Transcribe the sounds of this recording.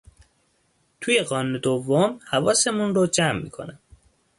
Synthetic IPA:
t̪ʰujeɣɒːnuːned̪ovːomhævɒːsemunrod͡ʒæmːḭːkʰo̰næm

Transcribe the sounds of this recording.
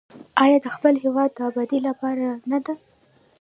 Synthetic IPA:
ɑjɑd̪əxpəlɦewɑd̪̚ːəabɑd̪ilapɑɾanad̪a

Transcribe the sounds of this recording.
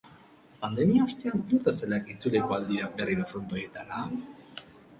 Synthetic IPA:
pand̪e̞miaost̪eanlut̪aselakit͡sulekoald̪iɾaberiɾofɾont̪o̞je̞t̪aɾa

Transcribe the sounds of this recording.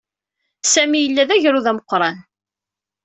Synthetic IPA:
sæmijəlːæðæʝɾuðæməqːɾˤɑn

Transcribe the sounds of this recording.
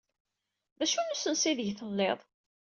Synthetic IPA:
ðæʃunusənsiðəʝθəlːeðˤ

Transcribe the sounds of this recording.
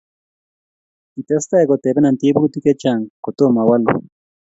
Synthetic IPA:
it̪est̪akot̪epenant̪ipukut̪iket͡ʃaŋkot̪omawalo̰

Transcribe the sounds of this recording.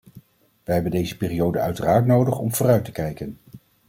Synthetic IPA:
ʋəɦɛbəndejzəpɪːrijowdəœ̰ɥtəraːɹtnowdəχɔ̰mv̥ʊːrœɥtəkɛjkən

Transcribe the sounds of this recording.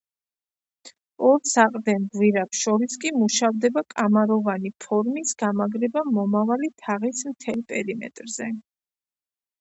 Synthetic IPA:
ɔɾsaqʼd̪ɛnd̪wiɾapʃɔɾiskʼimuʃavd̪ɛbakʼamaɾɔvanipʰɔɾmisɡ̥amaɡɾɛbamɔmavalit̪ʰaʁismt̪ʰɛlˠpʼɛɾimɛ̰t̪ʼɾzɛ

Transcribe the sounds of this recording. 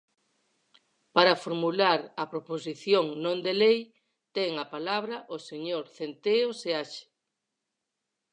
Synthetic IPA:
paɾɐfoɾmulaɾɐpɾopos̬iθjoŋnõnd̪elej | t̪ɛŋɐpalaβɾɐʔoseɲoɾθent̪eoseaʃe̥

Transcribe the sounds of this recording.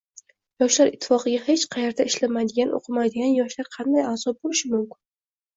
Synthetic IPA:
jɒʃlaɾɪt̪ʰːɪ̥fɒqɨɡʲahet͡ʃqʰɑjeɾd̪aɪʃlamajd̪ɪɡʲanʔo̰qʰɨmajd̪ɪɡʲanjɒʃlaɾqʰɑnd̪ajaːzɒp̚bolɪʃɪmʊmkʲɪ̥n

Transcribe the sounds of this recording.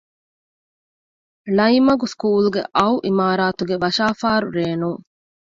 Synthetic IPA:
lɐjmɐɡuskuːluɡḛʔɐuʔimaːɾaːt̪uɡeʋɐʃaːfaːɾuɾeːnuŋ

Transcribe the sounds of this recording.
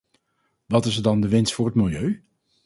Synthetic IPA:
ʋɑtɪsəɹdɑndəʋɪnstfʊːrɦətmɪlˠjøɥ

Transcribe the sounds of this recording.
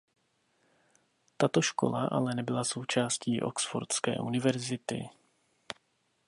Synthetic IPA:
t̪at̪o̞ʃko̞̰laʔa̰lɛnɛbɪlaso̞wt͡ʃaːsciːʔo̞̰ksfo̰ɾtskɛ̰ːʔunɪvɛɾzɪt̪ɪ̰

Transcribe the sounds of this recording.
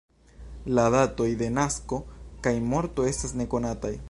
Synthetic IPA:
ladato̞jde̞nasko̞kajmo̞ɾto̞e̞stasne̞ko̞nataj

